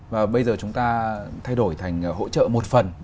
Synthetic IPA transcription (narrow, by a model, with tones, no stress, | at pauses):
vaː˨˩ɓə˧jzəː˨˩t͡ɕʊ˨˦ŋ͡mt̪aː˧t̪ʰa˧jɗo˧˩jt̪ʰa˨˩jŋ̟˩ɦo̰˧˥t͡ɕə̰ː˧˨mo˨˩t̚fə˨˩n